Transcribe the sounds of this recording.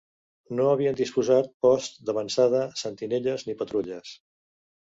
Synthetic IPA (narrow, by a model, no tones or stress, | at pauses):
noəβ̞iənd̪ispuzat̪̚pɔst̪d̪əβənsað̞əsənt̪ineʎəznipət̪ɾuʎəs